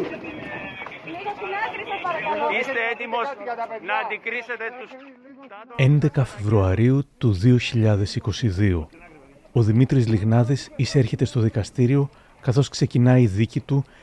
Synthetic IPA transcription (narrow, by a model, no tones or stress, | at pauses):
ist̪eet̪imosnɐːnd̪ikɾiset̪e | e̞nd̪e̞kɐfe̞vɾuɐɾiut̪uðio̞çiʎɐðe̞siko̞siðio̞̰ | oðimit̪ɾizliɣnɐðisiseɾçe̞t̪e̞st̪o̞ðikɐst̪iɾio̞ | kɐθo̞skse̞cinɐiðicit̪u